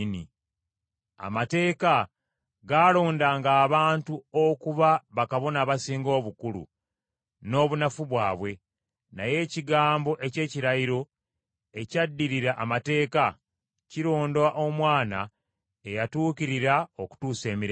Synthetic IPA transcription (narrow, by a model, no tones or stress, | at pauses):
ni | a̰mate̞ːka | ɡaːlo̞ːndaŋɡaːβaːntuokuβaβakaβo̞naːβasiːŋɡo̞ːβukulṵ | no̞ːβunafuβwaːβwe̞ | naje̞ːciɡaːmbo̞ʔe̞ce̞ːciɾajiɾo̞ | e̞cadːiɾiɾaʔamate̞ːka | ciɾo̞ːndaʔo̞mwaːna | ejatuːkiɾiɾao̞ku̥tuːse̞ːmiɾe